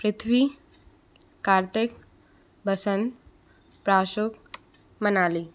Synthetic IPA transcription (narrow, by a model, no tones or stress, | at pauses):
pɾɪt̪ʰʋiː | kaɾt̪ek | bʱəsənt̪ | pɾaʃok | mənaliː